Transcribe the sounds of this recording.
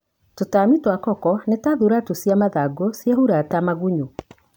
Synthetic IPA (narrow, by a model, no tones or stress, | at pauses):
totamitwakɔkɔnetaðuɾatosjamaðaɡosjahuɾatamaɣuɲu